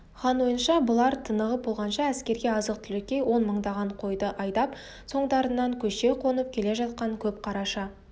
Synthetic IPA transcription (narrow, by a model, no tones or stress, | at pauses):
χɑnwo̞jənʃɑbʊlˠɑɾt̪ʰənəʁəp̚bo̞lˠʁɑnʃɑæskʲe̞ɾɡʲe̞ɑzəq̚t̪ʰʏlekʲːe̞wo̞nməɴd̪ɑʁɑɴqʰo̞jd̪əʔɑjd̪ɑp | so̞ɴd̪ɑɾənːɑŋkʲʰɵʃe̞qʰo̞nəp̚kʲʰe̞le̞ʒɑt̪̚qɑŋkʲʰɵpqʰɑɾɑʃɑ